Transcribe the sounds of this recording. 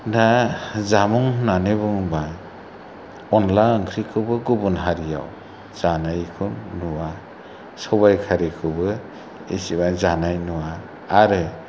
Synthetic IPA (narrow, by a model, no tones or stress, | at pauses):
dazamɔŋnanebɯŋba | ɔnlaɯŋkʰɾikʰɯbɯɡubunɦaɾija̰w | z̥anajkʰɯnːuwa | sɔbajkʰaɾikʰɯbɯ | ḭsibazanajnuwaː | ɾɯ